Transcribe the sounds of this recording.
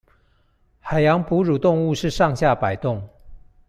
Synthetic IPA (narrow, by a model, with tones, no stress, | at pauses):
xa˨˩ɪjɑ˧˦ŋpu˧˥ɻu˨˩t̪ʊ˥˧ŋu˥˧ʂɻ̩˥˧ʂɑ˥˧ŋɕja˥˩pa˨˩ɪt̪ʊ˥˨ŋ